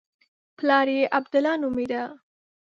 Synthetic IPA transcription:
plɑɾjeʔabd̪ʊlɑnʊmiɾa

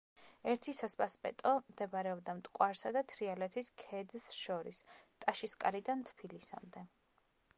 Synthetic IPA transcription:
ɛɾt̪ʰisaspʼaspʼɛ̰t̪ʼɔmd̪̥ɛbɾɛɔb̚d̪amt̪ʼkʼwaɾsad̪at̪ʰɾialɛt̪ʰiskʰɛd̪sʃɔɾist̪ʼaʃiskʼa̰ɾid̪ant̪ʰpʰilisa̰md̪ɛ

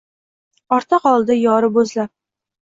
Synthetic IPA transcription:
ɒɾt̪ʰɨqɒlˠd̪ajɒɾɪbɵzlap̚

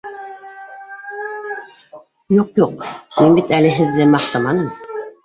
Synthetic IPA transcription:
juqjuqminbit̪ælɘɦɘ̆ðːɘmɑq̚t̪ɤmɑnɤm

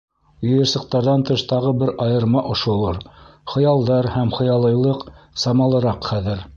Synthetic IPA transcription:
ŏjɤ̆ɾsɤ̆q̚t̪ɑɾðɑnt̪ɤʃt̪ɑʁɤbɘɾɑjɤ̆ɾmɑʔŏʃŏlˠɤɾχɤ̆jɑlˠd̪ɑɾhæmχɤ̆jɑlˠɤ̆jlˠɤqsɑmɑlˠɤ̆ɾɑqχæðɘɾ

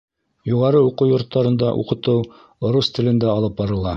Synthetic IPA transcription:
juʁɑɾɤuqɤwjŏɾt̪ːɑɾɤ̆nd̪ɑʔṵqɤ̆t̪ɤw | ŏɾust̪ɘ̆lɘ̆nd̪æɑlˠɤp̚bɑɾɤ̆lˠɑ

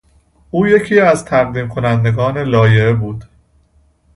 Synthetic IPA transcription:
ʔuːje̞cʰiːæzt̪ʰæʁd̪iːmkʰo̞nænd̪e̞ɡɒːne̞lɒːje̞ebuːd̪̥

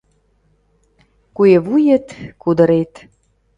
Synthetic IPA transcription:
kueβujĕt̪kud̪ə̆ɾet̪

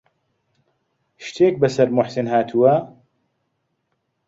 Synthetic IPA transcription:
ʃt̪ʰeːk̚bɐsɐɾmʊħsɪnhaːt̪ʰuwɐ

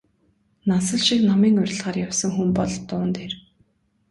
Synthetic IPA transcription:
nasə̆ɮʃiknamiːŋʊr̆ʲɮʁaːrjawsə̆ŋxumpɔɮt̪ːʊːnt̪ʰeːr

